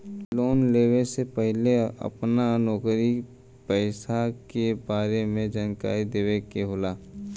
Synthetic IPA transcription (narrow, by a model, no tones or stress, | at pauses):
loːnleːwesepəɦɪleə̰pnanɔːkɾi | pɛɪsakebaːɾemẽd͡ʒənka̰ːid̪eːwekeɦoːlaː